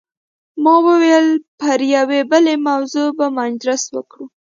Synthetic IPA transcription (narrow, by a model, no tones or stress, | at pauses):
mɑwəwelpəɾjawebəlemawzobamand͡ʒɾaswəkɽu